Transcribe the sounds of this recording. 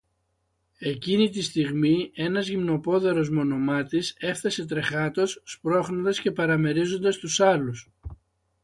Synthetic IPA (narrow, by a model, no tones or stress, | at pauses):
e̞cinit̪ist̪iɣmie̞nɐzʝimno̞po̞ðe̞ɾo̞zmo̞no̞mɐt̪ise̞fθɐse̞t̪̬ɾe̞xɐt̪o̞sːpɾo̞xnond̪ɐsce̞pɐɾɐme̞ɾizo̞nd̪ɐst̪usɐlus